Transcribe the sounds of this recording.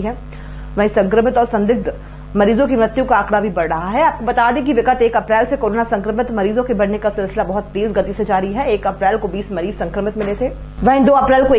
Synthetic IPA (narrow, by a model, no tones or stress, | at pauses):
ɦɛː | ʋɐɦĩsɐ̃ŋkɾəmɪt̪ɔːɾsɐ̃nd̪ɪɡ̚d̪ | mɐɾiːzõk̬imɾɪt̪jukaːkɽabʱibɐɾɽɐɦaɦɛaːp̚kobɐt̪aːd̪eek̬iʋɪkət̪eːkɐpɾɛːlsekoːɾoːnasɐ̃ŋkɾəmɪt̪mɐɾiːzõkebɐɽnekasɪlsɪlabɔɦʊt̪ːeːsɡɐt̪ised͡ʒaːɾiɦɛeːkɐpɾɛːlkobiːsmɐɾiːzsɐ̃ŋkɾəmɪt̪mɪlet̪ʰeː | ʋɐɦd̪oːɐpɾɛːlkoː